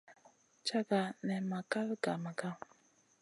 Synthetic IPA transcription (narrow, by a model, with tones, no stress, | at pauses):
t͡ʃa˦ka˨nɛ˨ma˨ka˦lɡa˨ma˨ka˦